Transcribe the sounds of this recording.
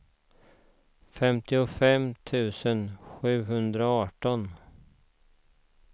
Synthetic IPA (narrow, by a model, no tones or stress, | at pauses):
fɛmt̪ɪɔfɛmt̪ʰʉ̟ːsənɧʉ̟ːɦɵnd̪ɾaɑːʈɔn